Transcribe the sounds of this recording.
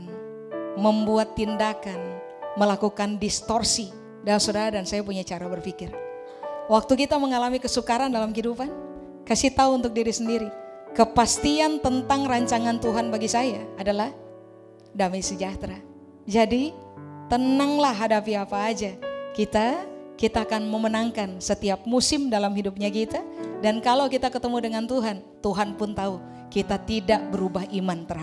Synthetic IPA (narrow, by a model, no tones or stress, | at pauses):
məmbuat̪ːindakan | məlakukandist̪ɔrsi | dalamsudaɾadansajapuɲat͡ʃaɾabərfikɪr | wak̚t̪ukit̪aməŋalamikəsukaɾandalamɦidupan | kasit̪auunt̪ʊk̚diɾisəndiɾi | kəpast̪iant̪ənt̪aŋraɲt͡ʃaŋant̪uɦanbaɡisajaːdalah | damajsəd͡ʒaht̪ɾa | d͡ʒadit̪ənaŋlahɦadapiapaːd͡ʒakit̪akit̪aːkanməmənaŋkansət̪iap̚musɪmdalamɦidup̚ɲakit̪adankalawkit̪akət̪əmudəŋant̪uɦant̪uɦanpʊnt̪au | kit̪at̪idaʔbəɾubaɦimant̪ərh